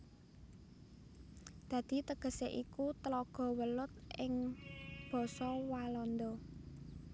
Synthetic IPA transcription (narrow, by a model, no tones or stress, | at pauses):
d̪̥ä̤d̪̥i̤t̪əɡ̥ə̤seʔikut̪əlɔɡ̥ɔ̤wəlʊt̪̚ɪŋb̥ɔ̤sɔwalɔnd̪ɔ